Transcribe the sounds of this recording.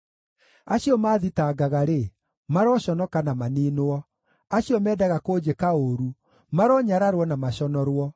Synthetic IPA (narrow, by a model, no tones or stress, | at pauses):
aɕiɔmaðitaːɡaɣaɾe | maɾɔɕɔnɔkanamaniːnoɔ | aɕiɔmɛːdaɣakoːd͡ʑekaoɾu | maɾɔɲaɾaɾwɔnamaɕɔnɔɾwɔ